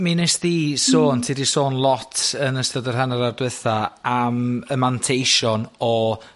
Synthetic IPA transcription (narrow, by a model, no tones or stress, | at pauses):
minesðiːsoːntʰiːdisoːnlˠɔtʰənəstədərɦanaɾardwɪθaaməmantʰejʃɔnɔ